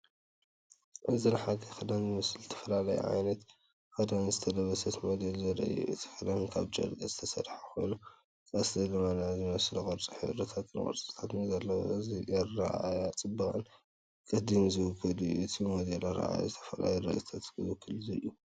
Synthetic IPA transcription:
ʔɨzinħad̪ɐxɨd̪anzɨmɨslzɨt̪ʰɐ̥fɐlalɐjṵʕa̰jnɐt̪ | kɐd̪anzɨt̪ʰɐlɐβɐsɐt̪mɐd̪ɐlzɐɾɐ̰jṵʔɨt̪ʰi̥xɨd̪ɐnkʰaβd͡ʒɐ̰ɾd̪ʼɐzɨt̪ʰɐsɐɾħaxʰo̰jnu | kʼɐsdɐlɨmanazɨmɐslukʼɐɾt͡sʼiħɨ̰βɾɐt̪ʰat̪ʰɨnkʼɐ̰ɾt͡sʼit̪ʰat̪nzɐlːɐwo̰zɐa̰ʔajat͡sʼɨbːɐkʼɐn | kʼɨd̪ɨmzɨwʊɡɐd̪ujuʔɨt̪ʰimɐd̪ɐlɐɾa̰a̰ja̰zɨt̪ʰɐ̥fɐla̰juɾɐ̰ʔt̪ʰat̪kɨwɨkʰːɨlɨzɨjːu

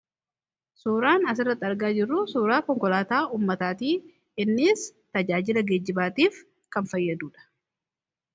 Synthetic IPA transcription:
suːɾaːnɐs̬ɪrːɐt̪ːɐɾɡaːd͡ʒɪrːʊsuːɾaːkɔŋkɔlaːt̪aːuːmːɐt̪aːt̪iː | ɪnːɪːst̪ɐd͡ʒaːd͡ʒɪlɐɡeːd͡ʒːɪbaːt̪iːf | kɐnfɐjːɐd̪uːᶑɐ̥

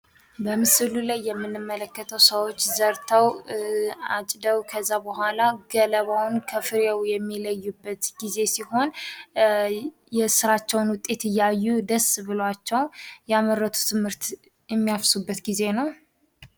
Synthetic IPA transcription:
bəmɨsɨlulajːɛmːɨnːɨmːələkːət̪ʰəwsəwot͡ʃːzəɾt̪ʰəw | at͡ʃʼd̪əwkʰəzːabəhʷalaɡələβawnkʰəfɨɾewjɛmːiləjːubːət̪ɡize̞siho̞n | jɛsɨɾat͡ʃːɛwnwʊt̪ʼːe̞t̪ɨjːajːud̪əsβɨlat͡ʃːɛwjɛaməɾːət̪ʰu̥t̪ʰɨmhɨɾt̪ | jɛmːijafsubːət̪ɡize̞nəw

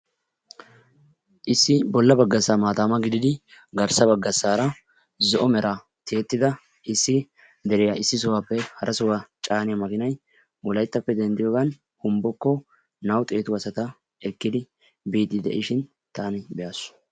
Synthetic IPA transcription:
ʔɪsːɪbɔlːɐbɐɡːɐsːaːmaːt̪aːmɐɡɪd̪ɪd̪ɪɡɐɾsɐbɐɡːɐsːaːɾɐ | zɔʔɔmɛɾʔa | t̪ʰeːt̪ːɪd̪ɐ | ɪsːɪ | d̪ɛɾɪjaɪsːɪs̬ɔwaːpːɛhɐɾʔɐsɔwat͡ʃʼaːnɪjɐmɐkɪnɐj | wɔlɐjt̪ːɐpːɛd̪ɛnd̪ɪjoːɡɐn | hʊmbɔkːɔ | nɐwt̪ʼe̞ːt̪ʊwɐsɐt̪ɐ | ɛkːɪd̪ɪ | biːd̪ɪd̪ɛ̰ʔɪʃɪn | t̪aːnɪbɛjaːsʊ̥

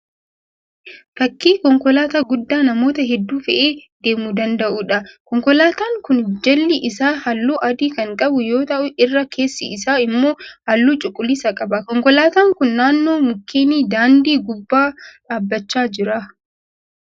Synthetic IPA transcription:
fɐkːiːkɔŋkɔlaːt̪aɡʊd̪ːaːnɐmo̞ːt̪ɐɦɛd̪ːuːfɛʔeːd̪̥e̞ːmuːd̪ɐnd̪ɐʔuːᶑɐkɔŋkɔlaːt̪aːŋkʊnd͡ʒɛlːɪʔɪsaːhɐlːuːʔɐd̪iːkɐŋkʼɐbʊjo̞ːt̪ɐʔʊʔɪrːɐkʰeːsːɪɪsaːɪmːo̞ːhɐlːuːt͡ʃʼʊkʼːʊlːɪsɐkʼɐbɐkɔŋkɔlaːt̪aːŋkʊnːaːnːo̞ːmʊkːeːniːd̪aːnd̪iːɡʊbːaːᶑaːbːɐt͡ʃːaːd͡ʒɪɾɐ

